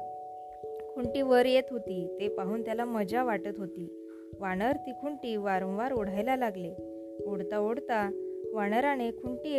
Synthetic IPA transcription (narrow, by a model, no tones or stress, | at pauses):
kʰuɳʈiːʋəɾjet̪ɦot̪iːt̪epaɦuːnt̪jalaməd͡ʑaʋaʈət̪ɦot̪iː | ʋaɽ̃əɾt̪ikʰuɳʈiːʋaɾə̃wʋaɾoɽ̤ajlalaɡle | oɽt̪aoɽt̪aʋaɽ̃əɾanekʰuɳʈie